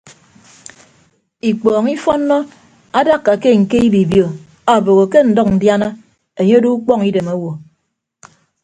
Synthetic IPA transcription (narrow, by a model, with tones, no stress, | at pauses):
i˨k͡pɔː˨ŋi˦fɔ˦nːɔ˦ | a˦da˦kːa˨ke˦ŋ̩˨ke˦i˦bi˨bjo˨ | a˨bo˨ɣo˨ke˦n̩˨dɔ˦k̚n̩˨dja˦na˦ | e˨ɲe˦du˦u˦k͡pɔ˦ŋi˦de˨ma˦wo˨